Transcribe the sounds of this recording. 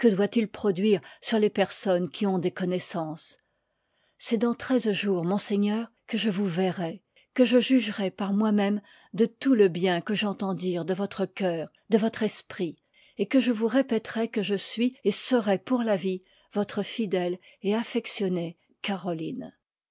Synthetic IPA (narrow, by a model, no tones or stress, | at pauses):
kəd̪wat̪ilpχɔd̪ɥiʁsyʁlepɛʁsɔnkʲʰiɔ̃d̪ekɔnɛsɑ̃s | sɛd̪ɑ̃t̪χɛzʒuːʁmɔ̃seɲœːʁkəʒəvuvɛʁɛ | kəʒəʒyʒʁɛpaʁmwamɛm | d̪ət̪uləbjɛ̃kəʒɑ̃t̪ɑ̃d̪iʁd̪əvɔt̪χəkʲœːʁ | d̪əvɔt̪χɛspχi | ekəʒəvuʁepɛt̪ʁɛkəʒəsɥiesəʁɛpuʁlavi | vɔt̪χəfid̪ɛl | eafɛksjɔne | kaʁɔlin